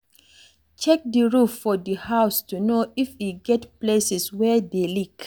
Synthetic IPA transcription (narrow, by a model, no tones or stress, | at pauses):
t͡ʃɛk̚diɹufːɔdihaʊstunoifiɡɛtplesɛswɛdelik